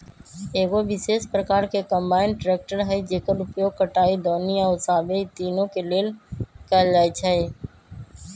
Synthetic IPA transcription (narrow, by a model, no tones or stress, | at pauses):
eːɡoʋɪseːʃpɾəkaːɾkekə̃mbaːɪnʈɾeːk̚ʈəɾɦɛid͡ʒeːkəlʊpjoːɡ̚kəʈaːid̪ɔːniaʊsaːbeːt̪iːnõkeleːlkɛld͡ʒaːit͡ʃʰɛi